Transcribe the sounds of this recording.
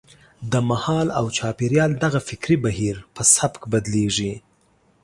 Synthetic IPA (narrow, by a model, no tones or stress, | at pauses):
d̪əmahɑlawt͡ʃɑpeɾjɑld̪aɣafɪkɾibahiɾpəsabkbad̪leʐi